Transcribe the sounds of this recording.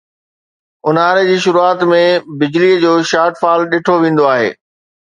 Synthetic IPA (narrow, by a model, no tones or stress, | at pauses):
ʊnaːɾed͡ʑiːʃʊɾuaːt̪mẽbɪd͡ʑliəd͡ʑoːʃaːʈfaːlɗɪːʈʰoʋẽːn̆d̪oaːɦḛː